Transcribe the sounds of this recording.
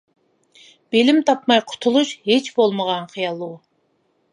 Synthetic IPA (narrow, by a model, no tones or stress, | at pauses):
b̥elɪmt̪ʰɑpmɑjqʰʊ̥t̪ʰulˠuʃɦet͡ʃbolˠməʁɑnqʰijɑlˠu